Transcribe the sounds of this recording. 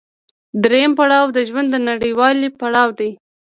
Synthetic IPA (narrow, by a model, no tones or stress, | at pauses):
d̪ɾejampaɽɑwd̪əʒwand̪ːənaɽəjwɑlipaɽɑwd̪aj